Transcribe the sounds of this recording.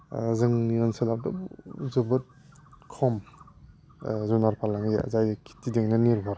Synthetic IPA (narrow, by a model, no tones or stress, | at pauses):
zɯŋniɾanseladɔbzɯbɯt̚kʰɔm | zunaɾpʰalaŋia̰zajkʰi̥tideŋnɯniɾbʱaɾ